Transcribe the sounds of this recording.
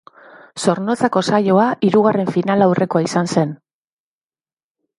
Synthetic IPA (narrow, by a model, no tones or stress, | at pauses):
so̞ɾno̞t͡sako̞sajo̞aʔiɾuɣ̞are̞ɱfinalawrʔe̞ko̞aisanse̞n